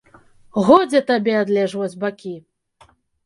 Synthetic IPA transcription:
ɣɔd͡zʲɛt̪abʲɛad̪lʲɛʐvɔd͡zʲbakʲi

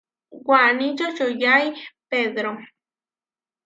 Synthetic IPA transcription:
wanĩt͡ʃot͡ʃojajpeðɾo

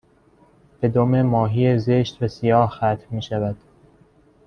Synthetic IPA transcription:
b̥e̞d̪omemɒːɦijezeʃt̪væsijɒːhxæt̪ʰmiːʃævæd̪̥

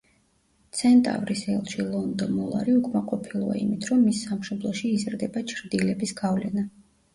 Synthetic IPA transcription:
t̪sʰɛnt̪ʼa̰vɾisɛlˠʃilˠɔnd̪ɔmɔlˠa̰ɾiukʼmaqʼɔpʰilˠua̰ḭmit̪ʰɾɔmːisːamʃɔblˠɔʃiːzɾd̪ɛbat͡ʃʰɾd̪ilɛbisɡ̥avlɛna

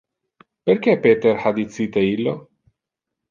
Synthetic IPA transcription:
perk̟epet̪erħad̪it̪siːt̪eilːo

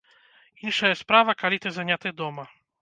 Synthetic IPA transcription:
inʂajɛspɾavakalʲit̪ɛzaɲat̪ɛd̪ɔma

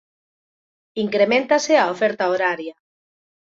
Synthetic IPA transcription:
iŋkɾemẽnt̪aseaofɛɾt̪aoɾaɾja

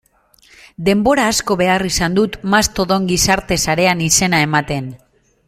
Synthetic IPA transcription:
d̪e̞mbo̞ɾaːsko̞βe̞arisand̪ut̪mast̪o̞ðo̞ŋɡisaɾt̪e̞saɾe̞anise̞nae̞mat̪e̞n

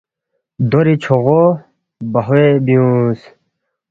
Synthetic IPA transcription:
d̪oɾit͡ɕʰoʁo | bɐɦebiũs

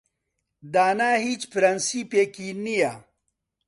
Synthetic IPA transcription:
d̪aːnaːɦiːt͡ʃpɾɐnsipeːkinːija

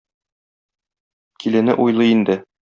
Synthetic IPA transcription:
kʰilɘnɘ̰ʔujlˠɤind̪ɘ

